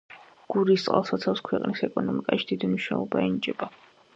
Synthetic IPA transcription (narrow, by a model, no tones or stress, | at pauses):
ɡ̥uɾist̪sʼa̰lˠsat̪sʰafskʰwɛqʼnisɛkʼɔnɔmikʼaʃi̥d̪̥id̪imuʃna̰lɔbaɛnit͡ʃʼɛba